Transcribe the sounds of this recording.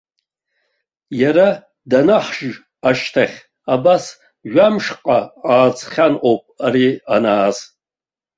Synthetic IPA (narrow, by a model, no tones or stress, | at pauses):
jaɾa | danaħʒʒ | aʃtʰaχʲ | abas | ʒʷᶣamʂqʼaaːt͡sʰʼχʲanʔowpʼaɾianaːz